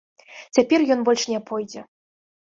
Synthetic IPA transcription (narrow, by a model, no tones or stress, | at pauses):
t͡sʲapʲɛrjɔnbɔlʲʂnʲɛpɔjd͡zʲɛ